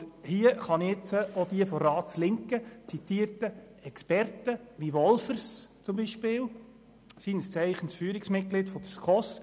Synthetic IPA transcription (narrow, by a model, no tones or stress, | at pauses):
hiəχɑniɪt͡səod̪iəfɔɾɑːt͡slɪŋkət͡sit̪iəɾtə | ɛkspɛɾtəʋiʋɔlfəɾst͡sʊmbiʃpɪːl | siːnəst͡sɛɪχənsfyːɾiksmɪt̚ɡ̥lɪtfɔd̥̪əskʰɔs